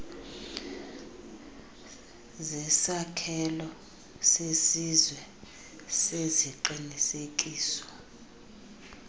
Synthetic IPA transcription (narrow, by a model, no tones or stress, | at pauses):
zɛsakʰɛlɔ | sesizwɛ | seziǃinisek̬ʼiːsɔ̥